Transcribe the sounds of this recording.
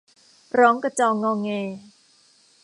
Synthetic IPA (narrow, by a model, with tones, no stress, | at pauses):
ɾɔː˦˥ŋka˧˩t͡ɕɔː˧˩ŋːɔː˧ŋeː˧